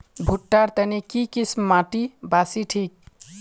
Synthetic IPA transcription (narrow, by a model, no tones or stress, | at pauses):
bʱuʈːaɾt̪ənekikismmaʈibasiʈʰik̚